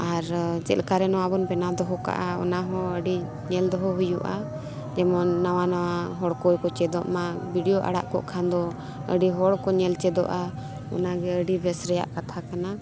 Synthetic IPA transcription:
aɾd͡ʒɛ̰ʔlkaɾɛnɔwabɔnbɛnad̪ɔɦɔka̰ʔaɔ̰naɦɔ̃əɖi | ɲɛld̪ɔɦɔɦujṵʔa̰ | d͡ʒɛmɔːawanawaɦɔɽkɔjkɔt͡ʃɛd̪ɔ̰ʔmabʱiɖijɔʔa̰ɽa̰ʔkɔ̰ʔkʰand̪ɔ | əɖiɦɔɽkɔɲɛlt͡ʃɛd̪ɔ̰ʔa | ɔ̰naɡɛəɖibɛsɾɛja̰ʔkat̪ʰakana

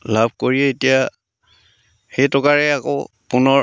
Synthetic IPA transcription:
labʱkoɹiɛetija | xejtɔkaɹɛako | punɔ

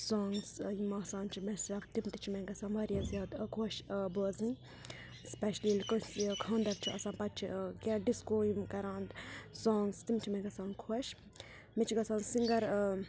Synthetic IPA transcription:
soːŋɡsjimaːsãːnt͡ʃʰimɛsɾɐkt̪imt̪it͡ʃʰimɛɡɐsãːnʋɐːɾjɐzjaːd̪kʰoʃboːzĩn | spɛʃliːlkɐskʰɐ̃ːnd̪ɐkt͡ʃʰiɐsãːnpɐt̪̚t͡ʃʰikʲɛɖiskoːjimkɐɾãːnd̪soːŋɡst̪imt͡ʃʰimɛ̃ɡɐsaːnkʰoʃ | mɛt͡ʃʰiɡɐsaːnsiŋɡɐɾ

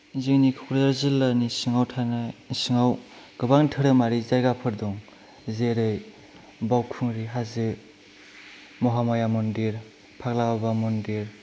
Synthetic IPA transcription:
ziŋnikʰɔk̚ɾdaɾzɯlːanisɯŋawtʰanasɯŋaw | ɡ̥ɯbaŋtʰɯɾɯmaɾizajɡapʰɯɾdɔŋ | zeɾɯj | bawkʰuŋɾiɦazɯ | mɔɦamajamɔndiɾ | pʰak̚lababamɔndiɾ

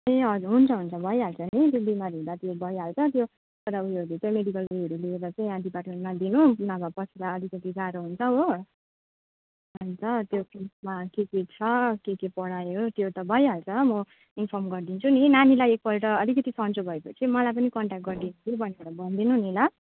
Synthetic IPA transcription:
iʌd͡zuɦunt͡sʰʌɦunt͡sʰʌbʱʌjɦalt͡sʰʌnit̪̬jobimaɾɦũd̪at̪jobʱʌjɦalt͡sʰʌt̪jo | sʌɾabuʌɾut͡sʌĩmeɽikʌlujɦʌɾulieɾʌt͡sʌĩɦãɖ̪ipaʈmenmad̪inunʌbʱapʌsʰiɾaʌd̪ʱikʌt̪id͡zaɾoɦunt͡sʰʌɦo | ʌnt͡sʌt̪jokismakeket͡sʰʌkekepʌɽajot̪jot̪ʌbʱʌjɦalt͡sʰʌmʌ | inpʰʌmɡʌrd̪int͡sʰuninanilajek̚pʌlʈʌːd̪ʱikʌt̪isʌnt͡sobʱʌepʌt͡sʰimʌlajp̬ʌnikʌɳʈak̚ʈ̚ɡʌrd̪inut̪ʰubʱʌneaɽabʱʌnd̪inunila

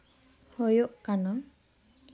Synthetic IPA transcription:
hɔjoʔkanɔ

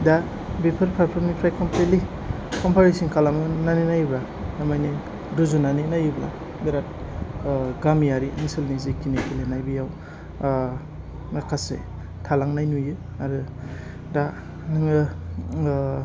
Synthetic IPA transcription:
da | bipʰɯɾpʰaɾpʰɔɾmnipʰɾajkʰɔmpʰletli | kʰɔmpʰaɾisinkʰalamɯnaninajba | namajni | duzunaninajubla̰ | biɾat̚ | ɡamjaɾiinsilnizikinekilenajbijaw | nakʰasḛ | tʰalaŋnajnujɯ | aɾɯ | da | nɯŋɯ

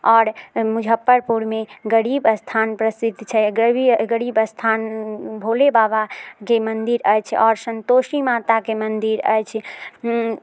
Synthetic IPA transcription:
ɔːɾmud͡ʒʱəpːəɾpuɾmeɡəɽibəst̪ʰanpɾəsit̪t͡ʃʰɛɡɡəɽibəst̪ʰanbʱolebabakemənd̪iɾəjt͡ʃʰɔːɾsənt̪osimat̪akemənd̪iɾə̰jt͡ʃʰ

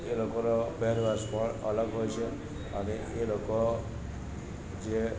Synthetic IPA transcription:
elokoɾobɛɾʋaspəɳə̰ləɡɦojt͡ʃʰe | əne | eloko | d͡ʒe

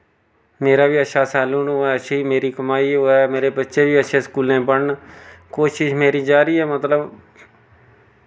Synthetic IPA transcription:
meːɾaːʋiːəʃaːsaːlũːnoɛːəʃiːmeːɾiːkəmaːiːɦoːɛːmeːɾeːbətːʃeːʋiːəʃʰẽːskuːlẽːpəɽɳkoːʃɪʃmeːɾiːd͡ʒaːɾiːɛːmət̪ləb

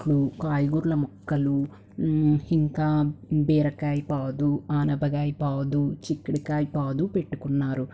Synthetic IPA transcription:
ɽukaːjiɡuːɾulɐmɔkːɐlu | hiŋkaːbɛːɾɐkaːjipaːd̪uaːnɐbɐɡaːjpaːd̪ut͡ʃikːiɽikaːjipaːd̪upe̞ʈːukunːaːɾu

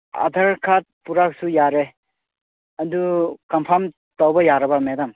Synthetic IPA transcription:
a̰dʱaɾkʰat̚puɾak̚sujaɾe | ɐdukɐmpʰam | tawbɐjaɾɐbɐmedam

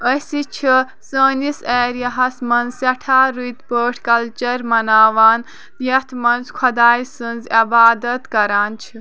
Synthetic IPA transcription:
əsit͡ʃʰi | səːniseːɾjɐɦɐsmɐnzsɐʈʰaːɾujt̪pəːʈʰkɐlt͡ʃɐɾmɐnaːʋaːn | d̪jɐt̪ʰmɐnzkʰɐd̪aːjsɨnzɐbaːd̪ɐt̪kɐɾaːnt͡ʃʰi

